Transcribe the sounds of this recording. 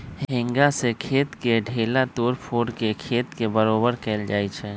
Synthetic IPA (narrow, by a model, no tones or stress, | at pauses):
ɦɦɪ̃ŋɡasekʰeːt̪keɖʱeːlat̪oːɾpʰoːɽkekʰeːt̪kebəɾoːbəɾkɛːld͡ʒaːet͡ʃʰɛ